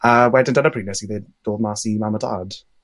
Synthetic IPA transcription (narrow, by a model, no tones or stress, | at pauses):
əwɛdəndənəpʰriːnəsiðed̥oːdmaːsimaməda̰d̥